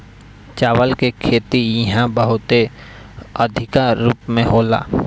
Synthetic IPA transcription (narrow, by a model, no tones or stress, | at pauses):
t͡ʃaːʋəlkekʰeːt̪ijɐɦãbəɦʊt̪e | əd̪ʱɪkaɾuːpmẽɦoːla̰ː